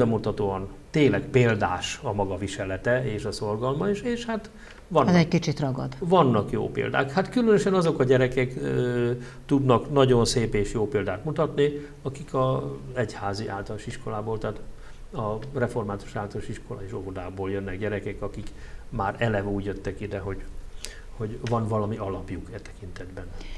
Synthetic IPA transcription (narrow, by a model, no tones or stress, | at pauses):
ɛmut̪ɒt̪oːɒnt̪eːlɛkpeːld̪aːʃɒmɒɡɒviʃɛlɛt̪ɛeːʃɒso̞rɡɒlmɒiʃeːʃhat̪ | ʋɒnzɛckit͡ʃit̪rɒɡɒ̰d̪ʋɒnːɒkjo̰ːpḛːld̪a̰ːkhat̪kylønøʃɛnɒzo̞kɒɟɛɾɛkɛk | t̪ud̪nɒknɒɟo̞nseːpeːʃjoːpeːld̪aːt̪mut̪ɒt̪ni | ɒkikʰɒɛchaːziʔaːlt̪ɒloʃiʃko̞laːboːlt̪ɛaːt̪ | ɒrɛfo̞rmaːt̪u̥ʃaːlt̪ɒloʃiʃko̞la̰eːʃovod̪aːboːljønːɛkɟɛɾɛkɛkɒkikmaːɾɛlɛvuːɟjøt̪ːɛkid̪ɛɦo̞ɟ | ho̞ɟvɒnvɒlɒmiɒlɒpjukɛt̪ɛ̥kint̪ɛd̪bɛn